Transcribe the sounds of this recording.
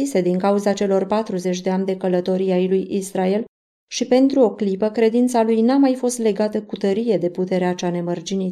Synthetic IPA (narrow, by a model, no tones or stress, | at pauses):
ise̞d̪iŋkauzat͡ʃe̞lo̞rpat̪ɾuze̞t͡ʃʲd̪e̞amd̪e̞kələt̪o̞ɾiajlujisɾae̞l | ʃipe̞nt̪ɾuo̞klipəkɾe̞d̪int̪salujnamajfo̞st̪le̞ɡat̪əkut̪əɾije̞d̪e̞put̪e̞ɾeat͡ʃane̞mərd͡ʒinit̪